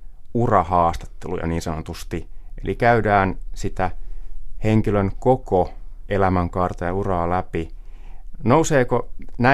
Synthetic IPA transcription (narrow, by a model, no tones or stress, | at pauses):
urɑhɑːst̪ɑ̥t̪ːelṵjɑ̰niːnsɑnot̪ust̪iʔḛlʔikæydæːnsit̪æ | heŋkiløŋkokoʔelæmæŋkɑrt̪ɑjɑurɑːlæpi | nouseːkonæ